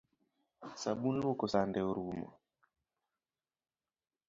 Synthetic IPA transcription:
saɓunlokɔsandɛoɾumɔ̰

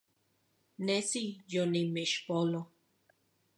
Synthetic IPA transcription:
nesijonimeʃpolo

